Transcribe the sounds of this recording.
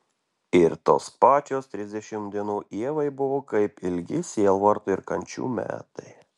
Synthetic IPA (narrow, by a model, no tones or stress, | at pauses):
ɪɾt̪o̰ːspɑːt͡ʃʲoːst̪ʲɾʲɪzʲd̪ʲɛʃʲɪmd̪ʲiɛnuːʔiɛʋɐɪbʊʋoːkɐɪpɪlʲɡʲɪsʲiɛlˠʋɐɾt̪ʊɪɾkɐnʲt͡ʃʲṵːmʲæ̰ːt̪ɐ̰ɪ